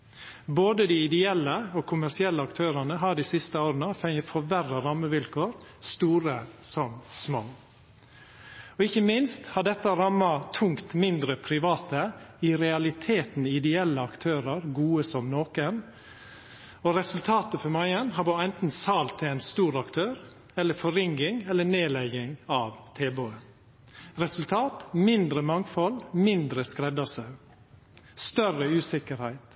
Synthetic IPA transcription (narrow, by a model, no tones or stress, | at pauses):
boːd̪əd̪iːɪd̪ɛɛlːəokʰʊmæsɪɛlːəɑkt̪ʰøːɾɑnəɦɑːd̪isɪst̪əoːɾənəfɛŋəfɔʋærəɾɑmːəʋɪlkʰoːɾ | st̪uːɾəsɔmsmo̰ː | ɔɪçəmɪnst̪hɑɖɛt̪ːəɾɑmːɑt̪ʰʊŋkt̪mɪnd̪ɾəpʰɾɪʋɑːt̪əɪɾɛɑlɪt̪ʰeːt̪n̩ɪd̪ɛɛlːəɑkt̪ʰøːɾəɾɡuːəsɔmnoːkən | ɔɾɛsʉlt̪ʰɑːt̪əfɔɾmɑɪənhɑbɑːɛnt̪n̩sɑːlt̪ʰːɪɛɪnst̪uːɾɑkt̪ʰøːɾ | ɛlːəfɔɾɪŋɡɪŋɛlːəɳeːlɛɡɪŋɑːʋt̪ʰeːbøːə | ɾɛsʉlt̪ʰɑːt̪mɪnd̪ɾəmɑŋfɔlmɪnd̪ɾəskɾɛd̪ɑsɑʉ | st̪œrəʉːsɪkəɾhæɪt̪